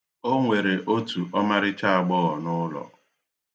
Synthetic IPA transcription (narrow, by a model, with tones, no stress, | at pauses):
o˦ŋʷe˨ɾe˨ʔo˦tu˨ʔɔ˦ma˦ɾɪ˦t͡ʃa˦a˨ɡ͡bɔ˦ɣɔ˨nʊ˦lɔ̰˨